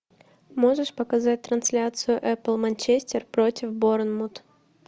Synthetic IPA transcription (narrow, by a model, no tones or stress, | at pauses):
mo̞ʐɨʂpəkɐzatʲt̪ɾɐnsʲlʲat̪sɨjʊʔɛplˠmɐnʲt͡ɕesʲtʲɪrpɾo̞tʲɪfboɾnmut̪